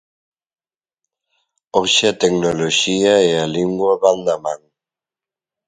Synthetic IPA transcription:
oʃɪɐt̪ɛknoloʃiɐɛaliŋɡwɐβand̪ɐmãŋ

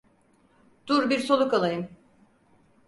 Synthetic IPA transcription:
d̪̥uɾbiɾso̞lˠukalˠajɯm

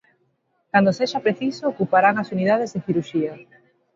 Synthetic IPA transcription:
kand̪oseʃapɾeθisoːkupaɾaŋasuniðað̞ezðeθiɾuʃia

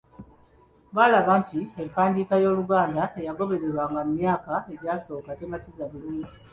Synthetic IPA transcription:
βaːlaβantiempaːndiːkajo̞ːluɡaːndaejaɡo̞βe̞ɾe̞ɾwaːŋɡammjaːkae̞ɾjaːso̞ːkatematizaβuluːɲɟi

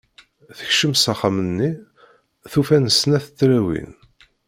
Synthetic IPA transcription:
θə̥çʃəmsæχamənːi | θufænəsnæθət͡s̪ːɾæwḭn

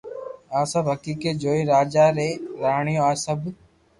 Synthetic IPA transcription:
aːsəbɦəkiːkeːd͡ʒoːiːɾaːd͡ʒaːɾeːɾaːɳɪjõːaːsəb

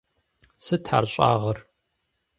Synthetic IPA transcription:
sɨtʰħa̰ːrɕʼa̰ːʁɐr

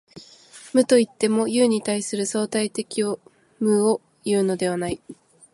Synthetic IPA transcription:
mɯ̟t̪o̞it̪ːe̞mo̞jɯːɲ̟it̪aisɨɾɯ̟so̞ːt̪ait̪e̞kʲio | mɯ̟o | jɯ̟ːno̞d̪e̞β̞anai

